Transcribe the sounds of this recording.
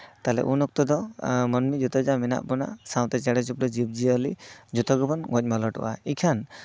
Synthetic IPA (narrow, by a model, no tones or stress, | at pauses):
t̪alɛ̰ʔunɔk̚t̪ɔd̪ɔmɔnmid͡ʒut̪ɔd͡ʒamɛna̰ʔbɔna̰ʔsaw̃t̪ɛt͡ʃɛɽɛd͡ʒupɾɔd͡ʒib̚d͡ʒiəlid͡ʒut̪ɔɡɔbɔnɡɔc̚ˀmalɔʈɔ̰ʔa̰ikʰan